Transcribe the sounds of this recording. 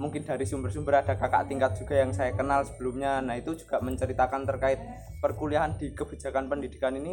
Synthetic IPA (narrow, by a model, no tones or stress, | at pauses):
muŋkɪnda̤ɾisumbərsumbəɾad̥a̤kaka̰ʔt̪iŋkat̪̚dʒ̥uɡ̥a̤jaŋsajakənalsə̥b̥əlumɲanait̪ud͡ʒu̥ɡ̥aʔməɲt͡ʃəɾit̪akant̪ərkaɪt̪̚ | pərkuliaɦandikəb̥i̤d͡ʒa̤kanpəndid̥i̥kanini